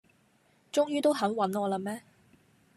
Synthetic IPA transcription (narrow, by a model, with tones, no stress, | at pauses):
t͡ʃʊ˥ŋjyː˥t̪o˥wɦɐ˨˥nwɐ˨˥nŋɔː˨˧laː˧mɛː˥